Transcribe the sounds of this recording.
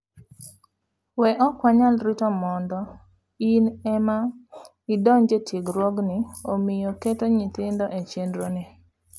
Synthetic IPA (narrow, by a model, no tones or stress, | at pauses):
wɛʔɔkwaɲalɾɪtɔmɔndɔ | inɛma | idɔɲd͡ʒetʰiɡɾwɔɡnɪomɪjoketoɲɪt̪ɪndɔʔet͡ʃendɾonɪ